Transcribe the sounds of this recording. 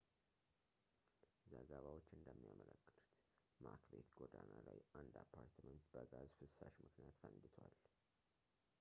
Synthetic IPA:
zəɡəβawo̞t͡ʃːɨnd̪əmːijamələkːɨlu̥t̪ | makbe̞t̪ɡod̪analajʔand̪apʰːaɾt̪mənt̪bəɡazfɨsaʃmɨknijat̪fənd̪ɨt̪ʰwal

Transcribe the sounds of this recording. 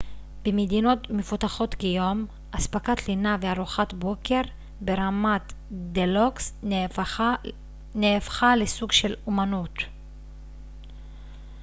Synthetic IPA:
b̥emed̪ino̞t̪mefut̪aχo̞t̪kejo̞m | ʔaspakat̪linaveaʁuχat̪bo̞ke̞ʁ | be̞ʁamat̪d̪eloks | neːfχalesuɡʃe̞lumanut̪

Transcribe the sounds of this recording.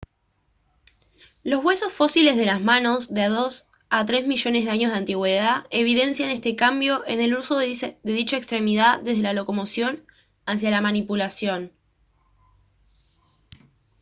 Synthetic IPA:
lo̞zβwe̞so̞sfo̞sile̞zðe̞lazmano̞zðeaðo̞s | at̪ɾe̞zmiʒo̞ne̞zðaɲo̞zðeant̪iɣwe̞ðae̞β̞iðe̞nsjane̞st̪e̞kambjo̞ʔe̞neluso̞ðeðit͡ʃaekst̪ɾe̞miðaðe̞zð̞elalo̞ko̞mo̞sjo̞n | as̬jalamanipulasjo̞n

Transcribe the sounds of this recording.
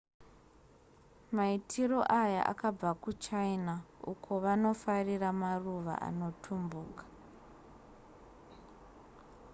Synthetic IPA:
maitʰiro̞ʔaja̰ʔa̰kab͡vakut͡ʃainaukʰo̞ʋano̞fariramaruʋa̰ʔa̰no̞tʰumbuːkḁ

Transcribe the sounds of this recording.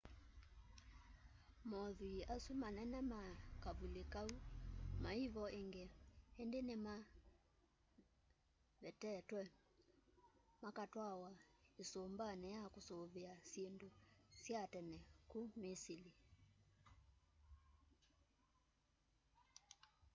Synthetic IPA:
mɔðuiʔasumanɛnɛmakavulekaumaiβɔʔeŋɡɛɛndenema | βɛtɛtwɛ | makatwawaesombanɛjakosoβɛasendosjatɛnɛkumisili

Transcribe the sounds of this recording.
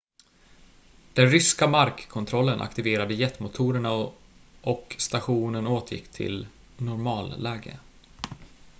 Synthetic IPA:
d̪̥ɛnɾʏskamaɾkːʰɔnt̪ʰɾɔlːənʔa̰kt̪ɪveːɾad̪əjɛt̪ːmʊt̪ʰuːɾəɳaʔɔkst̪aɧuːnənoːt̪ʰjɪ̰kːt̪ʰɪ̰l | nʊɾmɑːlːɛːɡə̰

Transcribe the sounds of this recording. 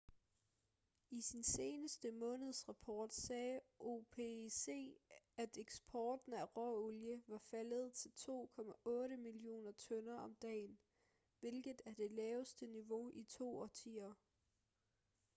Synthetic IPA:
isinse̝ːnəsd̥əmɔ̽ːnəð̞̩ˠsʁɑ̈pʰɒːd̥sɛːʔo̝pʰese̝̰ːæd̥eɡ̥sb̥ʰɒːd̥n̩æʁɒoljəʋɑ̈fæləð̞̩ˠt͡sʰe̝lt͡sʰo̝̰ːkʰɒ̽mæʔɔ̽ːɾəmilio̝̰ːnɐt͡sʰɔ̽nɐʔɒ̽md̥ɛ̰ːn | ʋe̝lɡ̥ð̩ˠæɐd̥e̝lɛːʊsd̥əniʋo̝ʔit͡sʰo̝̰ːɒt͡sʰḭːɐ

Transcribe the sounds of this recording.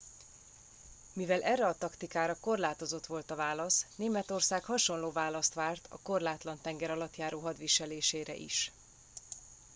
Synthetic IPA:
mivɛlʔɛrːɛɒt̪ɒkt̪ikaːɾɒko̞rlaːt̪o̞zo̞t̪ʋo̞lt̪ɒvaːlɒsneːmɛt̪o̞rsaːkhɒʃo̞nloːvaːlɒst̪ʋaːrt̪ʰɒ̰ko̞rlaːt̪lɒnt̪ɛŋɡɛɾɒlɒt̪jaːɾoːɦɒd̪ʋiʃɛleːʃeːɾɛ̰ʔḭʃ

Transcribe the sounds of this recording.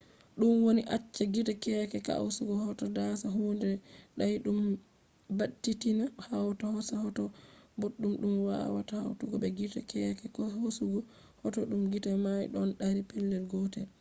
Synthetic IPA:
ɗumwoniʔat͡ʃːaɡitakɛkɛka̰wsuɡɔhɔtɔdasaɦundɛɗajɗum | batːitinahawtahɔsahɔtɔboɗːumɗumwa̰wa̰tahawtuɡɔɓɛɡitakʰɛkɛkɔhosuɡɔ | hɔtɔɗumɡitamajɗɔnɗaɾipɛlːɛlɡɔtɛl

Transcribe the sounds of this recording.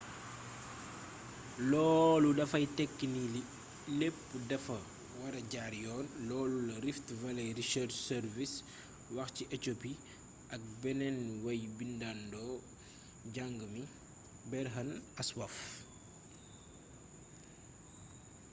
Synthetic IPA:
lɔːludɐfɐjtɛkːinii | lepːədɐfɐ | wɐɾɐɟaɾjɔːnlɔːlulɐɾiftvɐlɐjɾisɛɾt͡ʃsɛɾvis | wɐxciʔɛtopi | ʔɐk̚bɛnɛnwɐjbindandɔ | ɟaŋɡəmi | bɛɾɦɐnɐswɐf

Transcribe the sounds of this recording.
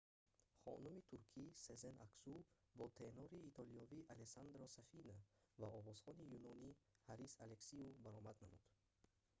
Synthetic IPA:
χɔ̰numit̪ʰuɾkʰisezenaksu | bɔt̪ʰenɔɾiːt̪ʰɔliɔviʔalesand̪ɾɔsafinavaɔʁɔz̥χɔnijunɔnihaɾisaleksiubaɾɔmad̪namud̪̥

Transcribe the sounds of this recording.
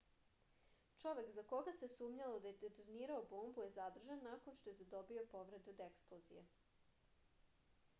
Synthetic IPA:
t͡ʃo̞ʋe̞kzako̞ɡasesuːmɲalod̪ajed̪et̪uɾniːɾaobo̞ːmbujezad̪r̩ʒanːako̞nʃt̪o̞jezed̪o̞bio̞po̞ʋɾe̞d̪ud̪eksplˠozḭjḛ

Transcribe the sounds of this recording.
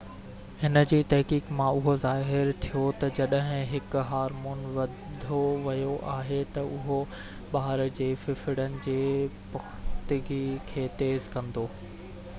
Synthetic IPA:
hɪnə̆d͡ʑiːt̪ɐɦkiːkmãʊɦozaːɦɪɾt̪ʰijot̪ɐd͡ʑɐɗəɦɪ̃ɦɪkʊɦaːɾmuːnʋɐ | d̪ʱoʋɐjoʔaːɦet̪ɐʔʊɦo | ɓaːɾd͡ʑeːfɪfɪɽənɪ̆d͡ʑeːpɐxt̪ɪɡikʰeːt̪eːzkɐ̃nd̪oː

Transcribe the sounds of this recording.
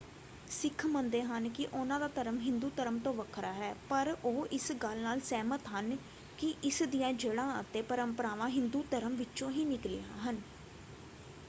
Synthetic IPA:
sɪkʰmənd̪eːɦənkɪʔʊnãːd̪aːt̪əɾəmɦɪ̃nd̪uːt̪əɾəmt̪õːʋəkʰɾaːɦɛːpəɾoːʔɪsɡəlnaːlsɛːmət̪ɦən | kɪʔɪsd̪ijãːd͡ʒəɽãːə̰t̪eːpəɾəmpəɾaːʋãːɦɪ̃nd̪uːt̪əɾəmʋɪːt͡ʃõːɦiːnɪklɪjãːɦən

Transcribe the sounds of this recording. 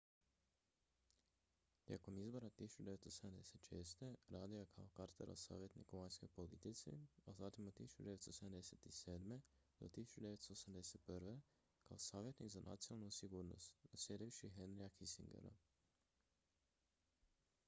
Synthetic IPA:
t̪jḛko̞mizbo̞ɾat̪isu̥t͡ʃud̪e̞ʋet̪soseamd̪ḛset̪ʃe̞̰ːst̪e̞ɾaːd̪iakʰa̰okaɾt̪ḛɾo̰sa̰ːʋjet̪nḭkuʋajnsko̞jpo̞lit̪it̪sḭazat̪imot̪isu̥t͡ʃud̪ee̞t̪sosed̪amd̪eset̪iseːd̪med̪̥o̞̰t̪isu̥t͡ʃud̪e̞ʋet̪st̪osamd̪eset̪̚pɾʋe | ka̰osaːʋjet̪nikzanʔa̰t̪sinalˠnusiɡuːɾno̰st̪nasjed̪ijuʃiɦenɾiakisḭŋɡḛɾa̰

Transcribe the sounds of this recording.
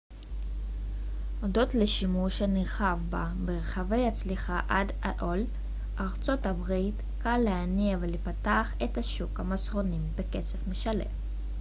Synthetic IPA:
odo̞t̪leʃimuʃeniʁχavba | beʁeχave̞jhat͡sliχaʔad | a̰ʔol | ʔaʁt͡so̞tabʁit | kalːeaniavelepataːχethaʃukhamasʁo̞nimbeket͡sefmeʃale̞̰m

